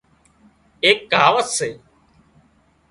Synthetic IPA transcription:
eːk̚ɡʱaːʋət̪seː

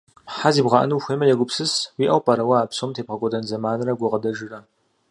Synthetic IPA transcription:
ħaziːbʁɐʔɐ̰nɨwxʷeːmɐjɛɡʷʊpsɨswiːʔɐwpʼaɾɐwɐaːpsomtʰeːpqɐkʷʼɔdɐnzɐmaːnrɐɡʷʊʁɐdɐʒɪrɐ

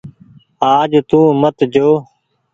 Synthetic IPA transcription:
aːd͡ʒt̪ũːmət̪d͡ʒoː

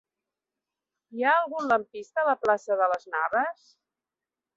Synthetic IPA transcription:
iaəlˠɣunləmpist̪əːləplasəðələznaβəs

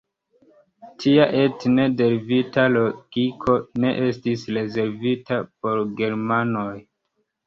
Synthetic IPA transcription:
tʰiaʔe̞tne̞de̞ɾvitalo̞ɡ̥ikʰo̞ne̞ʔe̞stisɾe̞ze̞ɾvitapo̞ɾɡe̞ɾmanoj

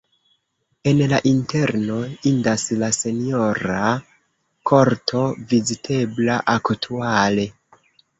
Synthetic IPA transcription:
e̞nlaʔinte̞ɾno̞indaslase̞nio̞ɾa | kʰo̞ɾtʰo̞vizitʰe̞blaʔaktʰuale̞

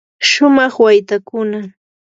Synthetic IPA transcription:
ʃʊmɑχwajt̪akʊna

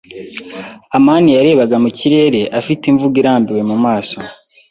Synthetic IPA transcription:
amaːnijaɾe̞ːβaɡamuciɾe̞ːɾe̞ʔafitiɱvuɡiɾaːmbiwe̞mumaːso

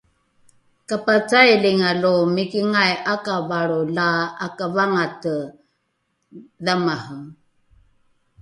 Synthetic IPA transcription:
kapat͡sajliŋalumikiŋajakavaɾulaːkavaŋatə | ðamahəm

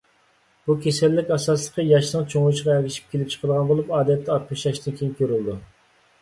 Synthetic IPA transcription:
b̥ukʲʰesɛlːɪkʲɑsɑslˠəqʰəjɑʃnəŋt͡ʃʰoŋlˠuʃʁɑɛɾɡʲɪʃi̥p̚kʲʰelɪp̚t͡ʃʰə̥qʰəd̪ʁɑnbolˠupɑːd̪ɛt̪ʰːɛɑt̪muʃjɑʃt̪ɪnkʲʰejŋkʲʰøɾyld̪u

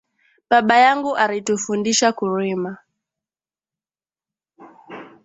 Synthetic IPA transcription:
ɓaɓajaŋɡuʔaɾitufundiʃakuɾima

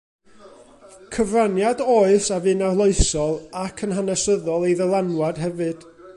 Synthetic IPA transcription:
kʰəvranjadoːɨsavɨːnarlˠoɨsɔlˠakʰənɦanɛsəðɔlˠejðəlˠanwad̥ɦɛvɨd̥

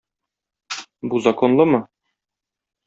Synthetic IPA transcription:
buzɐkonlˠɤmɤ

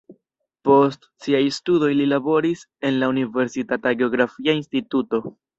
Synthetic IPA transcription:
po̞st | siajstudo̞jlilabo̞ɾis | e̞nlaunive̞ɾsitataɡe̞o̞ɡɾafiainstituto̞

